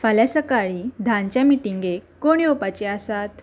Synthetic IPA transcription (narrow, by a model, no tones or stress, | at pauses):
faljasəkaɭiːd̪ʱaɲt͡ɕjamiʈiŋɡekkːoɽ̃iopat͡ɕeasat̪